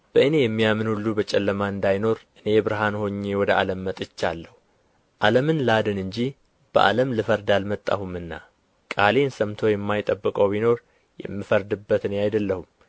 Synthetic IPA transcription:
b̥əʔɨne̞jɛmːijamɨnhulːubət͡ʃʼɛlːəmaɨnd̪ajno̞ɾʔɨne̞jbɨɾɨɦanho̞ɲːe̞wɔd̪əʔaləmːət̪ʼɨt͡ʃːalːəhu | ʔaləmɨnlad̪ɨnɨɲd͡ʒi | b̥əʔa̰ləmlɨfəɾd̪almət̪ʼːa̰humɨnːa̰ | kʼale̞nsəmt̪ʰo̞jɛmːajt̪ʼəbːɨkʼəwbino̞ɾ | jɛ̰mːifəɾd̪ɨbːət̪ɨneajd̪əlːəhum

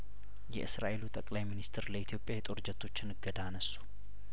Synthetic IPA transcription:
jɛ̰ʔɨsɾa̰ʔe̞lut̪ʼəkʼlajminist̪ʰɨɾləit̪ʰijo̞pʼjajɛt̪ʼo̞ɾd͡ʒət̪ʰːo̞t͡ʃːɨnɨɡəd̪aːnəsːu̥

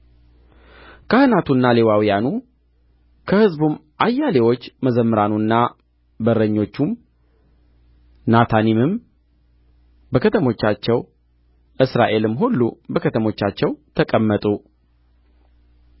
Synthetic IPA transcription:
kʰahɨnat̪ʰunːale̞wawijanu | kʰəhɨzbumʔajːale̞wo̞t͡ʃːməzəmːɨɾanunːa | bəɾːəɲːo̞t͡ʃːum | nat̪ʰanimɨm | bəkʰət̪ʰəmo̞t͡ʃːat͡ʃːɛw | ʔɨsɾa̰ʔe̞lɨmːɦulːṵbəkʰət̪ʰəmo̞t͡ʃːat͡ʃːɛwt̪ʰəkʼəmːət̪ʼu

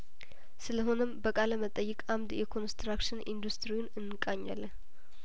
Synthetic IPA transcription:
sɨləɦo̞nəmbəkʼaləmət̪ʼəjːɛkʼamd̪jɛkʰo̞nst̪ɾakʃɪnḭnd̪ust̪ʰɾiwnɨnːɨkʼaɲːa̰lːəh

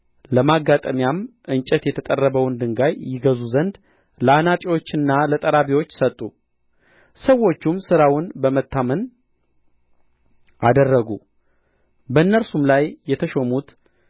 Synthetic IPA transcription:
ləmaɡat̪ʼəmjamʔɨnt͡ʃʼɛt̪jɛt̪ʰət̪ʼərːəβəwɨnd̪ɨŋɡajjːɪɡəzuzənd̪ | ləanat̪ʼiwo̞t͡ʃːɨnːalət̪ʼəɾaβiwo̞t͡ʃːsət̪ʼːu | səwo̞t͡ʃːumsɨɾawʊnbəmət̪ʰːamən | ʔad̪ərːəɡu | bəɨnːəɾsumlajːɛt̪ʰəʃomut̪

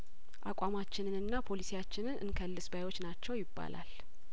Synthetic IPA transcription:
ʔa̰kʷʼamat͡ʃːɪnɨnɨnːapʰo̞lisijat͡ʃːɪnɨnʔɨ̰nkʰəlːɨsbajwo̞t͡ʃːnat͡ʃːɛwjɪbːa̰lʔa̰l

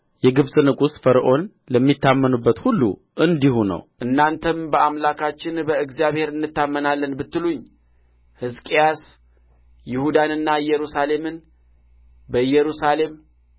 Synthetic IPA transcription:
jɛɡɨβsʼɨnɨkʼusfəɾəʔo̞n | ləmːit̪ːamːənubːət̪hulːṵ | ʔɨnd̪ihunə̰wʔɨnːant̪ʰəmbəʔamlakʰat͡ʃːɪnbəɨɡzijaβhe̞ɾɨnːɨt̪ːamːənalːənbɨt̪ːɨluɲː | hɨskʼijas | jɪhud̪anɨnːaɨjːɛɾusale̞mɨn | bəjɛɾusale̞m

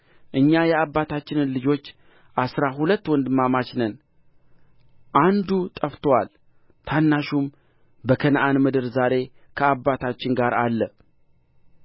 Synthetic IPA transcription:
ʔɨɲːajɛabːat̪ʰat͡ʃːɪnɨnlɨd͡ʒo̞t͡ʃː | ʔasɾaɦulət̪ːwɔnd̪ɨmamat͡ʃnən | ʔand̪ut̪ʼəft̪ʰwal | t̪ʰanːaʃum | bəkʰənʔanmɨd̪ɨɾzaɾe̞ | kʰəabːat̪ʰat͡ʃːɪnɡaɾʔalːə

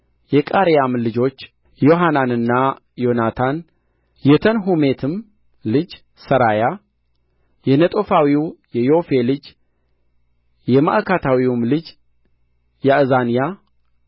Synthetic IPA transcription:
jɛkʼaɾejamlɨd͡ʒo̞t͡ʃː | jo̞ɦananɨnːa | jo̞nat̪ʰan | jɛt̪ʰənɦume̞t̪ʰɨm | lɨd͡ʒ | səɾaja | jɛnət̪ʼofawiwjɛjo̞fe̞lɨd͡ʒ | jɛma̰ʔkʰat̪ʰawiwumlɨd͡ʒ | jɛʔɨzanija

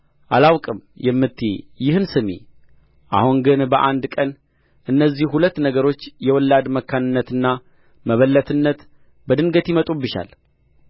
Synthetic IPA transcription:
ʔalawkʼɨmjɛmːɨt̪ʰːḛjɪhɨnsɨmḛ | ʔa̰huŋɡɨnbəʔand̪kʼən | ʔɨnːəzːihhulət̪ːnəɡəɾo̞t͡ʃːjɛwɔlːad̪məkʰːanɨnːət̪ɨnːa | məβəlːət̪ʰɨnːət̪ | bəd̪ɨŋɡət̪jimət̪ʼubɨʃa̰l

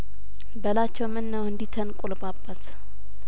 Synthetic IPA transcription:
bəlat͡ʃːɛwmɨnːəwɨnd̪it̪ʰənkʼulbabːət̪

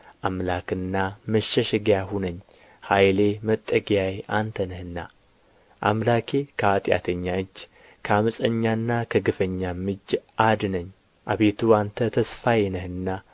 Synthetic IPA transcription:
ʔamlakɨnːaməʃːɛʃɪɡjahunəɲː | hajle̞mət̪ʼːəɡjajʔant̪ʰənəhɨnːa̰ | ʔamlakʰe̞kʰəat̪ʼja̰t̪ʰəɲːaɨt͡ʃː | kʰəamɨsʼəɲːaɨnːakʰəɡɨfəɲːamɨd͡ʒʔad̪ɨnəɲː | ʔaβet̪ʰuant̪ʰət̪ʰəsfajɛnəhɨnːa

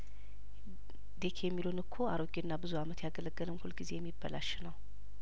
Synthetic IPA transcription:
d̪e̞kʰejɛmːilonɨkʰːoaɾoɡinːabɨzuamət̪jaɡələɡːələmhulɡize̞jɛmːibːəlaʃnəw

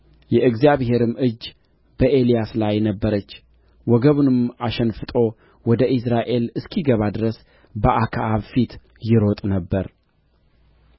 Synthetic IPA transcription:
jɛʔɨɡzijaβhe̞ɾɨmɨd͡ʒː | b̥əʔe̞lijaslajnəbːəɾət͡ʃː | wɔɡəβunɨmaʃənfɨt̪ʼo̞ | wɔd̪əʔɨsɾaʔe̞lɨskʰiɡəβad̪ɨɾəs | bəʔakʰaaβfit̪ | jɪɾo̞t̪ʼnəbːəɾ

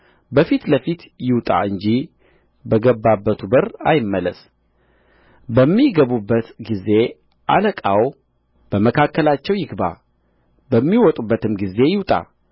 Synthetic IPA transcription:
bəfit̪ləfit̪ | jɪwt̪ʼa̰ɨɲd͡ʒi | bəɡəbːabːət̪ʰubəɾa̰jɪmːələ̰s | bəmːiɡəβubːət̪ɡize̞ | ʔa̰ləkʼaw | b̥əməkʰakːəlat͡ʃːɛwjɪɡba̰ | bəmːiwɔt̪ʼubːət̪ɨmɡize̞jɪwt̪ʼa̰

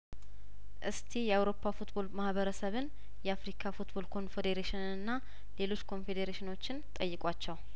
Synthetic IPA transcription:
ʔɨst̪ʰijɛawɾo̞pʰːafut̪bo̞lmahβəɾəsəβɨn | jɛafɾikʰafut̪bo̞lkʰo̞nfed̪eɾeʃɪnɨɨnːa | le̞lo̞t͡ʃːkʰo̞nfe̞d̪eɾeʃɪno̞t͡ʃːɪnt̪ʼəjːɪkʼwat͡ʃːɛw

